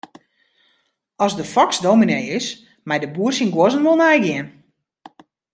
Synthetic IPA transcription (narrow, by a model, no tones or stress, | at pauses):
ɔzdəfɔksdowminejɪs | mɛjdəbuərsinɡwozənʋolˠnɛjɡɪən